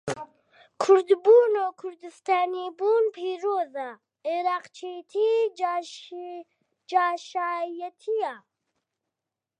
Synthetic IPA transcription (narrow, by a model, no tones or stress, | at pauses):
kʰʊɾd̪buːnoːkʰʊɾd̪ɨst̪aːnibuːnpʰiːɾoːza | eɾaːqt͡ʃʰet̪ʰi | d͡ʒaːʃaːjɛt̪ʰija